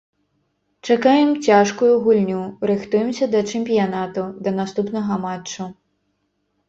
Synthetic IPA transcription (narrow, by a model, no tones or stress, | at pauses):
t͡ʂakajɛmt͡sʲaʂkujuɣulʲnʲuɾɨxt̪ujɛmsʲɐd̪ɐt͡ʂɛmʲpʲijanat̪ud̪ɐnast̪upnɐɣɐmat͡ʂːu